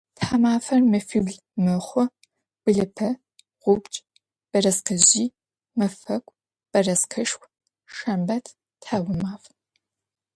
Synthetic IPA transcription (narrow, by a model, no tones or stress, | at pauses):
tħamaːfɐrmɨfiɡɮ | mɨχʷɔ | b̥ɨɮɨpʰɐ | ʁʷʊbt͡ʃʼ | b̥ɐrɐsqɐʑiː | mɨfɐkʷʼ | b̥ɐrɐsqʰɐʃxʷ | ʃɐmbɐtʰ | tħawʊmaːf